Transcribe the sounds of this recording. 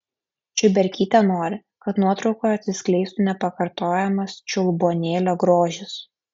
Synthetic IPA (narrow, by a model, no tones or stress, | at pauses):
t͡ʃʲʊbʲɛɾʲkʲiːt̪ʲɛnoːɾʲɪ | kɐt̪nuɔt̪ɾɒʊkoːjɐt̪ʲsʲɪsʲkʲlʲɛɪst̪unʲɛpɐkɐɾt̪oːjɛmɐst͡ʃʲʊlˠboːnʲeːlʲoːɡɾoːʒʲɪs